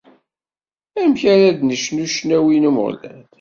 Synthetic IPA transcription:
æmçaɾæd̪nəʃnuʃnæwinumə̰ʁlæn

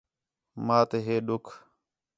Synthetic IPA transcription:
mãːt̪eːɦeːɗʊkʰ

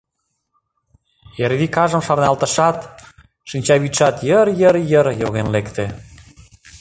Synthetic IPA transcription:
eɾβikɑʒə̆mʃɑrnɑlˠt̪ə̆ʃɑt̪ | ʃinʲt͡ɕɑβit̪ʃɑt̪jəɾjəɾjəɾjoɣenlekt̪e

